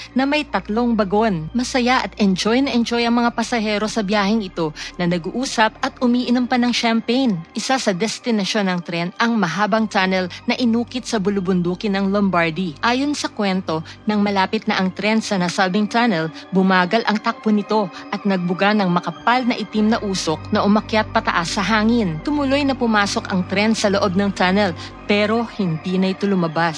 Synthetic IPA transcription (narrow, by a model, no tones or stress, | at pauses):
nɐmɐjt̪ɐt̪lo̞ŋbɐɡo̞nmɐsɐjaʔɐt̪ʔɛnd͡ʒo̞jnɐʔɛnd͡ʒo̞jʔɐŋmɐŋapɐsɐhɛːɾo̞sɐbjaːhɪŋɪt̪o̞nɐnɐɡuʔuːsɐpʔɐt̪̚ʊmiːʔɪnompɐnɐŋʃampejnʔɪsasɐd̪ɛst̪ɪnɐʃo̞nɐŋt̪ɾɛnʔɐŋmɐɦaːbɐŋt͡ʃ̪anɛlnɐʔɪnuːkɪt̪̚sɐbʊlʊbʊnd̪uːkɪnɐŋlombaɹd̪iʔaːjo̞nsɐkwɛnt̪o̞nɐŋmɐlaːpɪt̪̚nɐʔɐŋt̪ɾɛnsɐnɐsalbɪŋt͡ʃanɛlbʊmaːɡɐlʔɐŋt̪ɐk̚ponɪt̪o̞ʔɐt̪̚nɐɡ̚bʊɡanɐŋmɐkɐpalnɐʔɪt̪imnɐʔuːso̞k̚nɐʔʊmɐkjat̪̚pɐt̪ɐʔasːɐɦaːŋɪnt̪ʊmʊlo̞jnɐpʊmaːso̞kɐŋt̪ɾɛnsɐloʔo̞b̚nɐŋt͡ʃanɛl | pɛːɾo̞hɪnd̪inɐɪt̪olʊmɐbas